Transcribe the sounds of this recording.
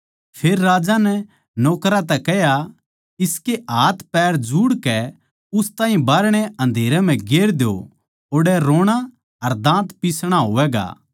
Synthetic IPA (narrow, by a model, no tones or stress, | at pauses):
pʰeːɾːaːd͡ʒanɛ | noːkɾat̪̬ɛkɛɦja | ɪskeʔaːt̪ʰpɛːɾd͡ʒuːɽkɛ | ʊst̪ãːɦĩbaːɾɽ̃eʔɐ̃nd̪ʱeːɾɛm̤ɛ̃ɡeːɾd̪jo̰ | oɽɛɾoːɽ̃a | ɐɾd̪ãːt̪pisɽ̃aɦoːʋɛːɡa̰ː